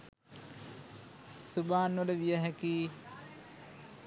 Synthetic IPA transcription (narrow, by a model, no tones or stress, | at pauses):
subaːnʋələʋijəɦækiː